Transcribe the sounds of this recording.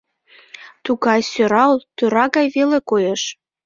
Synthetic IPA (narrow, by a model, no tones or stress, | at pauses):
t̪uɣɑjsøɾɑlt̪øɾɑɣɑjβelekojeʃ